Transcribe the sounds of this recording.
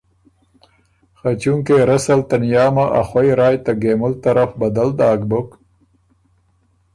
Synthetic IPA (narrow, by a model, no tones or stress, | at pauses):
xat͡ɕuŋkeɾɐsalt̪anjɑːmaʔa̰xwajɾaːjt̪aɡeːmʊlt̪ɐɾafbɐd̪ald̪aːkbʊk